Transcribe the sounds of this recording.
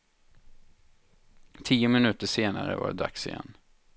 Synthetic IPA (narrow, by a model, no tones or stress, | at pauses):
t̪ʰiːʊmɪnʉ̟ːt̪əʂeːnaɾəva̰ɾd̪aksɪjɛ̰nː